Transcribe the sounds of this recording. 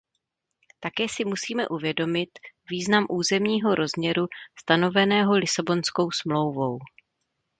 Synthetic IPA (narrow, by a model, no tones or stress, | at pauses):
t̪akɛːsɪmusiːmɛʔuvjɛdo̞mɪt̪viːznamʔuːzɛmɲiːɦo̞ɾʔo̞zmɲɛɾust̪ano̞vɛnɛːɦo̞lɪsabo̞nsko̞wsmlo̞wvo̞w